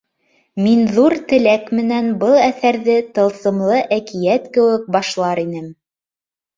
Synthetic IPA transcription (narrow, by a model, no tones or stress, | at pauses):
minðuɾt̪ɘ̆lækmɘ̆nænbɤlˠæθæɾðɘt̪ɤ̆lˠsɤ̆mlˠɤʔækijæt̪kɘ̆wɘk̚bɑʃlˠɑɾinɘm